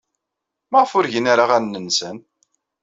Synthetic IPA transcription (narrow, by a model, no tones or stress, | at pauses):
mæʁəfʊɾʝənaɾaʁænːənsən